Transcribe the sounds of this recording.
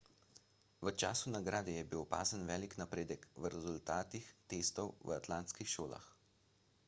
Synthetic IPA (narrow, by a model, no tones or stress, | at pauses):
ʋət͡ʃa̰ːsunaɡɾaːd̪ɛjɛbiwpa̰ːzənʋɛːliknapɾeːd̪əkʋəɾɛzult̪aːt̪ixt̪eːst̪ɔwʋəat̪lant̪skixʃoːla̰x